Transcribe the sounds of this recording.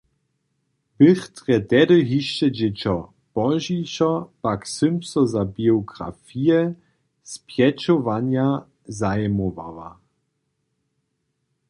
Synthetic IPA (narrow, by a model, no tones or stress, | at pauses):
b̥ɘxt̪ʁɛt̪ɛdɔɦiʃːɛd͡ʑɛt͡ɕɔ | b̥ɔʒiɕɔpaksʏmpsɔzabiɔɡɾa̰fijɛ | spjɛt͡ɕɔvaɲja | zajɛmɔva̰va̰